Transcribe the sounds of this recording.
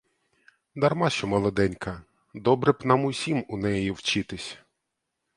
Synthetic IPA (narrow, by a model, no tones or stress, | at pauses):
d̪ɐrmɑʃɔmɐlˠɔd̪ɛnʲkɐ | d̪ɔbɾɛpnɑmʊsʲimunɛjiwt͡ʃɪt̪ɪsʲ